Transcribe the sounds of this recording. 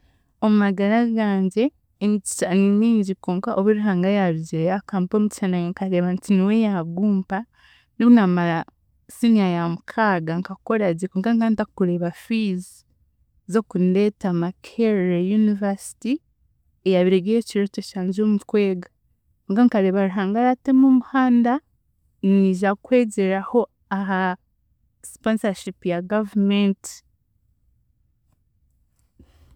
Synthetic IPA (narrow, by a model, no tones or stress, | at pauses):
omumaɡaɾaɡaːɲɟe̞ː | mici̥t͡ʃaniniːɲɟikoːŋkaʔoβuɾiɦaːŋɡajaɾuɟiɾejakaːmpomici̥ʃanajeŋkaɾe̞ːβantiniwejaβɡuːmpa | niβunamaɾa | siniajamukʰaɡaŋkako̞ɾazekoːŋkaŋkantakuɾeːβafiz | zokundetamakʰeɾejunivasi̥ti | ejaβiɾeɡejociɾoteʃaːɲd͡ʒoːmutkwe̞ːɡa | ŋɡaŋkaɾe̞ːβaɾuɦaːŋɡaɾate̞mumuhaːnda | niʒakwe̞ːɟeɾaho̞ | aɦa | sponsaʃipijaɡavumenti̥